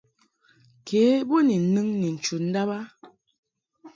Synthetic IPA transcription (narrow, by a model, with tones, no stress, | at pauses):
kʰeː˨˦bo˦ni˨nɨ˦ŋni˨n̩˨t͡ʃu˨n̩˦da˦ba˦